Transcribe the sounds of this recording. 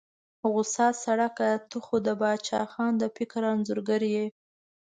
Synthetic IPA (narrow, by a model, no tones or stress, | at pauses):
ɣʊsɑsaɽakat̪ʊxod̪əbɑt͡ʃɑ̰xɑnd̪əpɪkɾanzʊɾɡaɾje